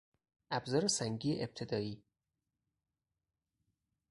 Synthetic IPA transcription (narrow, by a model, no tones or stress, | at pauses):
ʔæbzɒːɾesæŋɟiːeʔeb̥̚t̪ʰe̞d̪ɒːiː